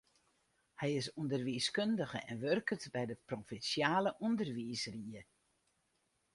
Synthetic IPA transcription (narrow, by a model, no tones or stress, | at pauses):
hɛjɪsundərʋiːskøndəɣəʔɛnʋørkətbɛjdəprofinsjaːləʔundərʋiːsriə